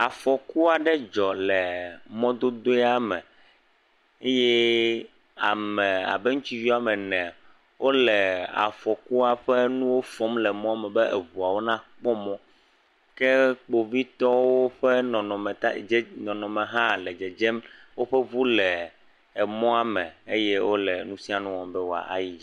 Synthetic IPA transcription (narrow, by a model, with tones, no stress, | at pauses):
a˨fɔ˨ku˦a˨ɖɛ˦d͡ʒɔ˨lɛ˨mɔ̃˦d̪o˦d̪o˦ɛ˦a˨mɛ̃˨ | e˦jɛ˦ | a˨mɛ˨a̰˨bɛ˦ŋũ˦t͡ʃi˦vi˦a˨mɛ̃˨nɛ̃˨ | wʔo˦lɛ˨a̰˨fɔ˨ku˦a˨ɸɛ˦nũ˦wo˦fɔ˦mlɛ˨mɔ̃˦a˦˨mɛ˨bɛ˦ʔḛ˨βu˨a˨wo˦nã˦k͡pɔ˦mɔ̃˦ | kɛ˦k͡po˨vi˦t̪ɔ˦wo˦ɸe˦nɔ̃˨nɔ̃˨mɛ˨t̪a˦d͡ʒnɔ̃˨nɔ̃˨mẽ˨ɦã˦lɛ˨d͡ʒɛ˨d͡ʒe˦mwo˦ɸɛ˦βu˦lɛː˨ | mɔ̃˦a˨mɛ̃˨e˦jɛ˦wo˦lɛ˨nũ˦si˦a˨nũ˦wɔ̃˨mbɛ˦wo˨a̰˨ʔa̰˨ji˦d͡ʒi˦